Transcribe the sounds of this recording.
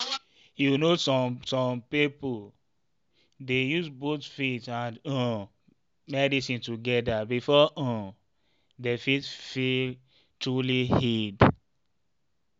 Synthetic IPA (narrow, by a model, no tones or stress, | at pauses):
junossɔ̃mpipol | dejuzbotfitãnɔ̃ | mɛdisĩntuɡɛdabifɔʔɔ̃ | defitfil | tɹulihid